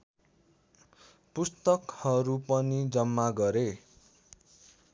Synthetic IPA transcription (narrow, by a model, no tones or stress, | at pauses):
pust̪ʌkhʌɾupʌnid͡zʌmːaɡʌɾe